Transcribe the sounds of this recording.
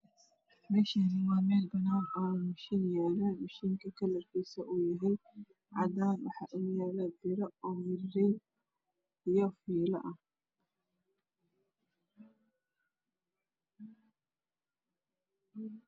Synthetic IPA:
mɛːʃinɪwaːmɛːlbɐnahamʊʃinjɛːlɛmʊʃiŋkʰɐkʰɐlɐrkʰisɐʔuːjɐɦɛj | ʕɑd̪aːnwɑ̰ħɑ̰ːʔʊjɛːlɛbɪɾɐɔːwɪrɛ | ɪjɔfiːlɐ̰ʔɐ

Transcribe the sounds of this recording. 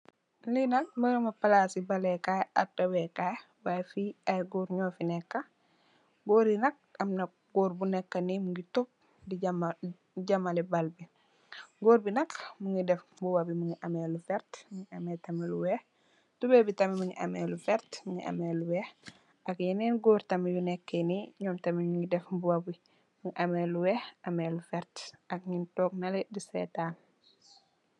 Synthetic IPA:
linɐk̚mɐɾɐmɐpɐlasibɐlɛkajatɐwɛkaj | wajfiajɡuɾɲɔːfinɛkːɐ | ɡɔːɾinɐk̚ɐmnɐk̚ɡɔːɾbunɛkːɐnimuŋɡitop̚ | diɟm | ɟɐmalɛbalbi | ɡoːɾbinɐkmuŋidɛfbuwabimuŋiʔɐmɛlufɛɾtmuŋiɐmɛːtɐmɛluwɛh | tubɛbitɐmimɐŋiʔɐ̰mɛːlufɛɾtmuŋɡiʔɐ̰mɛːluwɛh | ɐkɲɐnɛnɡoːɾtɐmjunɛkːeniɲɔːmtɐmiuŋɡidɛfbuwɐbi | muŋɡiʔɐmɛluwɛxɐmelufɛɾtɐk̚ɲintɔːk̚nɐlɛdisɛ̰taːn

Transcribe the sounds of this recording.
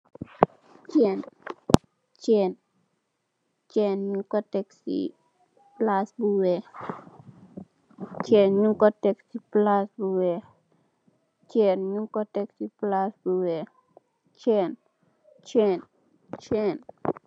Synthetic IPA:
t͡ʃen | t͡ʃen | t͡ʃenɲuŋkɔteksḭ | plasbuwe | t͡ʃenɲuŋkɔteksiplasbuwe | t͡ʃenɲuŋkɔtɛksiplasbuwe | t͡ʃen | t͡ʃen | t͡ʃen

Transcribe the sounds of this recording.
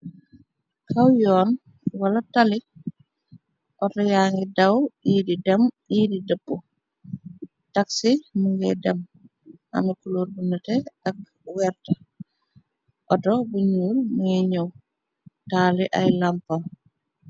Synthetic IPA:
kʰawjɔːn | walatali | ʔɔtɔjaːŋɡidawididɛm | iːdidəbːɔ | taksimuŋɡɛ̰dɛm | a̰mikuluɾbunətɛak̚ | wɛɾta | ʔɔdɔbuɲuːlmuŋɛɲow | taːliʔa̰jlampam

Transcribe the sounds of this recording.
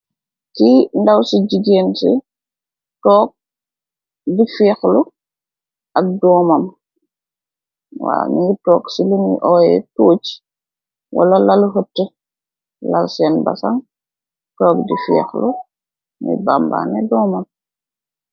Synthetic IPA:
kindawsid͡ʒiɡeːnsi | tɔːk̚ | difɛːxlu | ɐk̚dɔːmɐm | wa̰ːmiŋɡitɔːksiluniʔɔːjɛ̰toːt͡ʃ | wʔa̰lɐlaluɦətːə | lalsɛnba̰sa̰ŋ | tɔːk̚difɛ̰ːxlu | mḭbamba̰nɛdɔːmam

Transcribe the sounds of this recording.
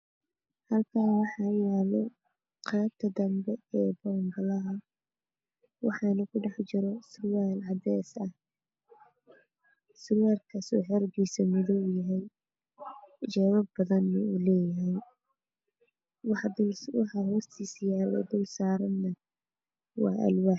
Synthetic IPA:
hɐlkʰaːnwɑħɑːjɛːlɛ | qɑb̚t̪ʰɐd̪ɐmbɛɛːbɔːmbɐlɐɦɐ | wɑħɑnɐkʰʊɖɑħt͡ʃɪɾɔsʊwaːlʕɑd̪ɛsɐh | sʊwaːlkʰɐsɔːħɛɾɡiːsɐmʊðɔbjɐɦɛj | d͡ʒɛːβɐbbɐðɐnːɐulɛːjɐɦɛj | w̪wɑħɑɦɔːst̪ʰiːsjaːlɛ̰d̪ʊlsaːɾɐnːɐ | wɑ̰ːʔɐ̰lwaːħ

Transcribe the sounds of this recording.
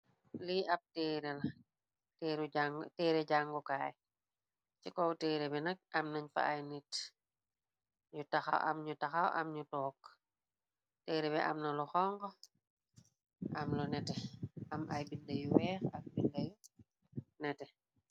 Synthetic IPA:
liɐp̚tɛːɾɛlɐ | tːɾŋtɛːɾɛɟaŋɡɔkaːj | t͡ʃikɔwtɛːɾɛbɛnɐk̚ɐmnɐɲfa̰ʔajnit | ɲutɐxa̰wʔɐ̰mɲutɐxawʔɐ̰mɲutɔːk | tɛːɾɛbɛʔɐ̰mnɐlɔxɔŋɡɔ | ʔɐmlɔnɛtɛɐmɐjbindɐjuwɛːxɐk̚bindɐju | nɛtɛ

